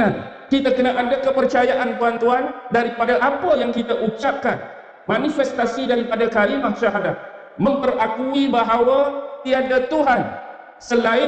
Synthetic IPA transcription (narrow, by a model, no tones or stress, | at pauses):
an | kit̪akənaʔadakəpərt͡ʃajaʔant̪uant̪uandaɾipadaʔapajaŋkit̪aʔut͡ʃap̚kan | manifɛst̪asidaɾipadakalimahʃaɦadat̪̚ | mə̃mpərakuibaɦawat̪iandat̪uɦan | səlaɪ